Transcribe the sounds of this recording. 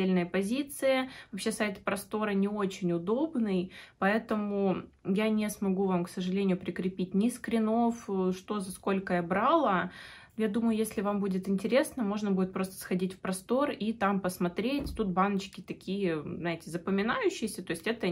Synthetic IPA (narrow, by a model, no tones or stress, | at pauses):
elʲnɨjəpɐzʲit̪sɨjəvɐpɕːe̞sajt̪pɾɐst̪o̞ɾənʲɪo̞t͡ɕɪnʲʊd̪o̞bnɨjpɐɛt̪əmʊ | janʲɪsmɐɡuvamksəʐɨlʲenʲɪjʊpɾʲɪkɾʲɪpʲitʲnʲɪskɾʲɪno̞fʂt̪o̞zɐsko̞lʲkəjabɾalˠə | jad̪uməjʊjesʲlʲɪvambudʲɪt̪ɪnʲtʲɪɾʲe̞snəmo̞ʐnəbudʲɪt̪pɾo̞st̪ə̥sxɐdʲitʲfpɾɐst̪o̞rit̪ampəsmɐt̪ɾʲetʲt̪ut̪̚banət͡ɕkʲɪt̪ɐkʲijəznaɪtʲɪzəpəmʲɪnajʉɕːɪjɪsʲət̪o̞ɪsʲtʲɛt̪ə